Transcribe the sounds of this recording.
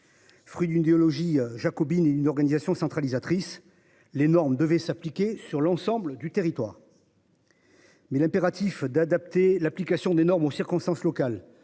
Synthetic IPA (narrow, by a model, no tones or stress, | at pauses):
fχɥid̪ynid̪eɔlɔʒiʒakɔbined̪ynɔʁɡanizasjɔ̃sɑ̃t̪χalizat̪χis | lenɔʁmd̪əvɛsaplikʲesyʁlɑ̃sɑ̃bləd̪yt̪eʁit̪wa̰ːʁ | mɛlɛ̃peʁat̪ifd̪ad̪ap̚t̪elaplikasjɔ̃d̪enɔʁmosiʁkɔ̃st̪ɑ̃slɔkal